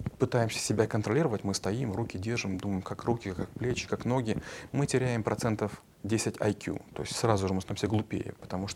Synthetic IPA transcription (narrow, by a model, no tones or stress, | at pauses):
pɨt̪ajɪmsʲə̥sʲɪbʲakənt̪ɾɐlʲiɾəvətʲmɨst̪ɐimrukʲɪdʲerʐɨmd̪uməjɪmkakrukʲɪkak̚plʲet͡ɕɪ̥kakno̞ɡʲɪmɨtʲɪɾʲæjɪmpɾʔɐt̪sɛnt̪əf | dʲesʲɪtʲa̰jkʲṵt̪o̞̰ɪsʲtʲsrazʊʐɨmɨsojʲɪmʲsʲəɡlˠʊpʲḛjə̰pə̥t̪ɐmuʂt̪